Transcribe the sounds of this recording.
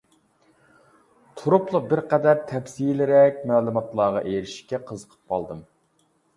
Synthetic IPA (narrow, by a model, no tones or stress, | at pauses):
t̪ʰuɾʊplˠʊbɪɾqɛd̪æɾt̪ʰɛfsilɪɾɛkʲmæːlˠumɑt̪lˠɑʁɑʔejɾɪʃi̥kʲɛqʰəzəqʰə̥p̚qʰɑlˠd̪ɨm